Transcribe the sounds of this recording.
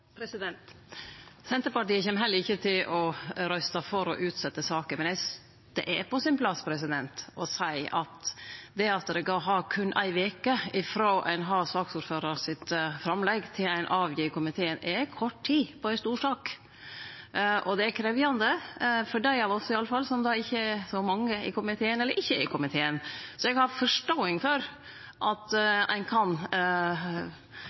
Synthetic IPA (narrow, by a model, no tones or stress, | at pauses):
pɾsd̪ɛnt̪ | sɛnt̪əɾpɑʈiːəçɛmːɦɛlːəɾɪçːət̪ʰɪlʔɔɾœst̪ɑfɔɾɔ̰ʔʉːt̪sɛt̪ːəsɑːkəmɛnjæɪs | d̪̥ɛ̰ʔɛpɔsɪnpʰlɑsːpʰɾɛs̬ɪd̪ɛnt̪ɔsæɪɑt̪d̪ɛɑt̪ːɾɛɡɑɦɑkʰʉnːʔæ̰ɪʋeːkəɪfɾoːʔæ̰ɪnɦɑːsɑːksuːɾføːɾɑɾsɪt̪fɾɑmlɛɡt̪ʰɪlæɪnʔɑːʋjɪːkʰʊmɪt̪ʰeːənɛɾkʰɔʈtʰiːpʰɔæɪst̪uːʂɑːk | ʔɔd̪ɛækʰɾɛʋjɑnd̪əfɔɖæɪhɑʋɔsːɔɪɑlːəfɑlsɔmd̪ɑɪçːəsɔmɑŋːəɪ̰kʰʊmɪt̪ʰeːənɛlːəɾʔɪçːəɪkʰʊmɪt̪ʰeːənsɔɛɡhɑɾfɔʂʈoːɪŋfɔɾ | ʔɑt̪ʔæ̰ɪnkʰɑn